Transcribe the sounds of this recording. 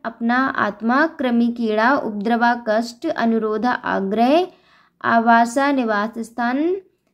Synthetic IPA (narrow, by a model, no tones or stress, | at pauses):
ɐpnaa̰ːt̪maːkɾɐmikiːɭaːʊ̰p̚d̪ɾɐʋaːkɐsʈɐ̰nuɾoːd̪ʱaʔa̰ːɡɾəɦ | a̰ːʋaːsaːnɪʋaːsɐst̪ʰaːn